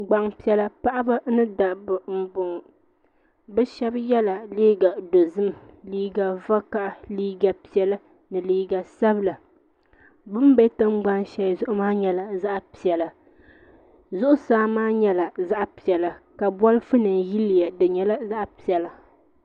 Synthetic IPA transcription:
ɡ͡ba˨ŋpi˨˦ɛ˦la˦pa˦ʔa˦ba˦nɨ˦da˨bɨ˨m̩˨bʊ˨ŋ˨ | bɛ˦ʃɛ˦bjɛ˦la˨liː˦ɡa˨do˨zɨ˦m˨liː˦ɡa˨va˦ka˦ʔa˨liː˦ɡa˨pi˨˦ɛ˦la˦ | nɨ˨liː˦ɡa˨sa˦bla˨ | bɨ˦m˦bɛ˦tɨ˦ŋ͡mɡ͡ba˦ŋʃɛ˦jzʊ˦ʔʊ˦maː˦ɲɛ˨la˨za˦ʔpi˨ɛ˨la˨ | zʊ˦ʔʊ˦saː˦maː˦ɲɛ˦la˨za˦ʔpi˨ɛ˨la˨ka˨bɔ˦lɨ˦fɨ˦nɨ˨nji˦li˨ja˨dɨ˨ɲɛ˨la˦za˦ʔpi˨ɛ˨la˨

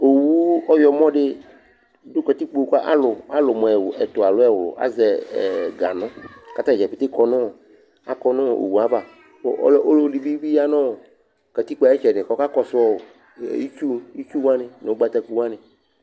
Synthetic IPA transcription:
o˨wu˦ɔ˦jɔ˨mɔ̃˦ɖɪ˦ | do˦kɔ˨t̪i˦k͡po˨˦ka˦ʔa̰˦lʊ˨a˦lʊ˨mɔ˨ɛ˨wɛ˨t̪ʊ˨a˨lʊ˦ɛ˦˨wlʊ̰˨ʔa̰˦zɛ˨ɡa˨nʊ̃˦ka˦t̪a˦˨d͡ʒɛ˨fɪ˨t̪e˦kɔ˨nʊ̃˦˨ | a˨kɔ˨nʊ̃˦˨ʔo̰˨wu˨a˨va˨˦ | lo˦lo˦li˨bi˦bi˦a˦nɔ̃˦˨ | kɛ˨t̪i˦k͡pa˨˦ɛ˦t͡ʃɛ˨ɖɪ˨kɔ˦ka˦kɔ˨sʊ˦ɔ̰˦˨ | i˦t͡ʃu˦i˦t͡ʃu˦wa˦nɪ˨ne˨o˦ɡ͡ba˨t̪a˨ku˨wã˦nɪ̃˨

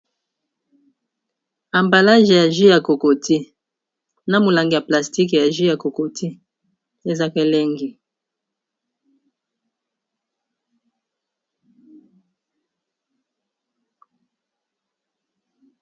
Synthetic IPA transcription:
a˨mba˨la˦ʒe˨ja˨ʒi˦ja˨ko˨ko˨ti˦ | na˦mo˨la˨ŋɡi˨ja˨pla˨sti˦kja˨ʒi˦ja˨ko˨ko˨ti˦ | e˦za˦ke˦le˦ŋɡi˨

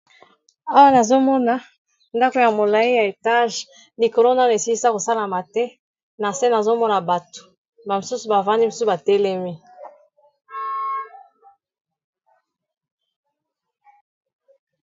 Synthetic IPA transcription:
a˦wa˦na˨zo˦mɔ˦na˨ | nda˦ko˨ja˨mo˨la˨i˦ja˨e˨ta˦ʒ | li˨ko˨lo˦na˦˨e˨si˦i˦sa˦ko˨sa˦la˨ma˨tɛ˦ | na˨se˦na˨zo˦mɔ˦na˨ba˨to̥˨ | ba˨mo˨su˦su˨ba˨va˦ndi˦mo˨su˦su˨ba˨tɛ˦le˦mi˦

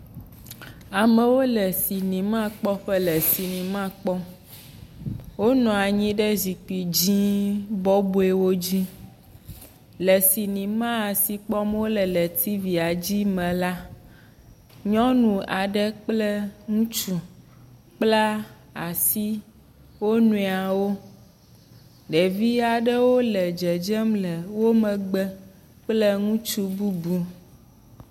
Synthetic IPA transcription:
a˨mɛ̃˨wo˦lɛ˨si˨nĩ˨mã˦k͡pɔ˦ɸɛ˦lɛ˨si˨nĩ˨mã˦k͡pɔ˦ | wo˦nɔ̃˨a˨ɲĩ˦ɖɛ˦zi˨k͡pi˨d͡ʑĩ˦bɔ˦bu˦e˦wo˦d͡ʑi˦ | lɛ˨si˨nĩ˨mã˦a˨si˨k͡pɔ˦m˦wo˦lɛ˨lɛ˨t̪ʰi˦vi˨a˨d͡ʑi˦mɛ̃˨la˦ | ɲɔ̃˦nũ˨a˨ɖə˦k͡plɛ˦ŋũ˦t͡ʃu˦ | k͡pla˦ | a˨si˦ | wo˦nũ˨˦i˨a˨wo˦ | ɖe˨vi˦a˨ɖə˦wo˦lɛ˨d͡ʒɛ˨d͡ʒɛ˦mlɛ˨wo˦mə̃˨ɡ͡bɛ˦ | k͡plə˦ŋũ˦t͡ʃu˦bu˦bu˦

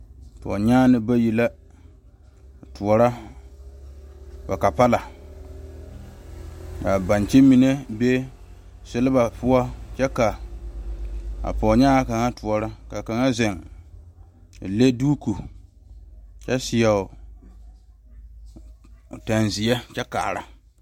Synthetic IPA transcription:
pɔ̰˨ɲaː˦nɪ˨ba˦ji˨la˦˨ | tʰu˨ɔ˨ɾa˦ | ba˨ka˨pa˦la˨ | ka˨ba˨nt͡ʃɪ˦mi˨ne˦be˦ | sɪ˦lɪ˦ba˨pʊ˦a˦t͡ʃɛ˦ka˨ | a̰˨pɔ˨ɲɛ˦a˨ka˨ŋa˦tʊ˨ɔ˨ɾa˦ka˨ka˨ŋa˦zɛ˨ŋ˨ | le˦duː˦ku˨ | t͡ʃɛ˦sɪ˨a˨ʊ˨ | ta˨nzɪ˨jɛ˦t͡ʃɛ˦ka̰ː˨ɾa̰˦

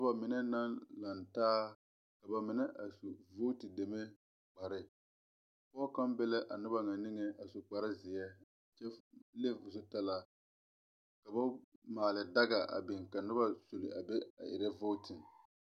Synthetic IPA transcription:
a˦ba˨mɪ˨nɛ˦na˦nla˨ntaː˦ | ka˨ba˨mɪ˨nɛ˦ʔa˨su˨vo˦tɪ˨de˨me˦ | k͡pa˨ɾɪ˦ | pɔː˦ka˦mbɛ˦lɛ˦ʔa˨nʊ˦ba˦ŋa˨nɪ˦ŋɛ˦a˨sʊ˨k͡pa˨ɾɪ˦zɪ˨jɛ˦˨ | t͡ʃɛ˦le˦vʊ˨s̬ʊ˦ta˦la˨ | ka˨ba˦maː˨lɪ˨da˦ɡa˨a̰˨bɪ˨ŋka˨nʊ˦ba˦so˨lɪ˨a˨bɛ˦a̰˨ʔɪ̰˨ɾɛ˦vo˦tɪ˨

